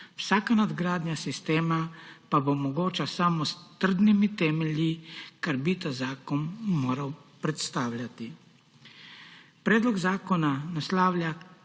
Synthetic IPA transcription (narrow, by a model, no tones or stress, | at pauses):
wsaːkanad̪ɡɾaːd̪njasist̪eːmapabomɔɡoːt͡ʃasamɔst̪ər̩d̪nimit̪ɛːmɛljikaɾbit̪azaːkɔnːoːɾawpɾɛt̪st̪aːwlʲjat̪i | pɾɛːd̪lɔɡzaːkɔnanaslaːwlʲja